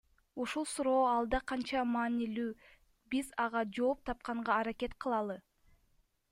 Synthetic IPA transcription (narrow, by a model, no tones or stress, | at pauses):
uʃulˠsuɾo̞ːɑlˠd̪ɑqʰɑnt͡ʃɑmɑːnilyː | bizɑʁɑd͡ʒo̞ːp̚t̪ʰɑp̚qɑɴʁɑːɾake̞t̪qʰɯlˠɑlˠɯ